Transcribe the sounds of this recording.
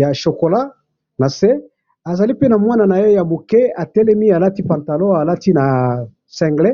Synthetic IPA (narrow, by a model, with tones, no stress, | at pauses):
ja˨ʃo˨ko˨la˦ | na˨se˦ | a˨za˨li˦pe˦na˨mwa˦na˨na˨je˦ja˨bo˨ke˦a˨tɛ˦lɛ˦mi˦a˨la˦ti˦pã˨nta˨lo˦a˨la˦ti˦na˨ | sɛ̃˨ŋɡlɛ˦